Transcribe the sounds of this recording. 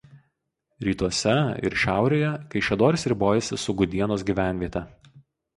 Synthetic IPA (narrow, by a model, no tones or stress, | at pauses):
ɾʲiːt̪uɔsʲɛɪ̰ɾʃʲæˑʊɾʲeːjɛkɐɪʃʲɛd̪oːɾʲɪsɾʲɪboːjɛsʲɪsʊɡʊd̪ʲiɛnoːsɡʲiːʋʲæˑnʲʋʲiɛt̪ʲɛ